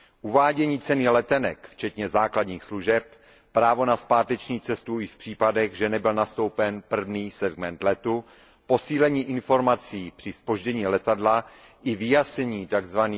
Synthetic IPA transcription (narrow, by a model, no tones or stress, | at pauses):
ʔuvaːɟɛɲiːt͡sɛniːlɛt̪ɛnɛ̰kft͡ʃɛt̪ɲɛzaːkladɲiːxsluʒɛp̚ | pɾaːvo̞naspaːt̪ɛt͡ʃɲiːt͡sɛst̪uɪfpr̝̥iːpadɛɣʒɛnɛbɪlnast̪o̞wpɛnpr̩vniːsɛɡmɛnt̪lɛt̪u | po̞siːlɛɲiːʔɪnfo̞ɾmat͡siːpr̥ɪspo̞ʒɟɛɲiːlɛt̪adla | ʔɪvɪjasɲɛɲiːt̪aɡzvaniː